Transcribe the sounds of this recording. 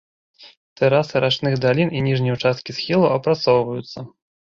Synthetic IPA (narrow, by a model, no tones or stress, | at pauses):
t̪ɛɾasɨɾat͡ʂnɨɣd̪alʲininʲiʐnʲiut͡ʂast̪̚kʲisxʲilˠuɐpɾat̪sɔwvɐjut̪sːɐ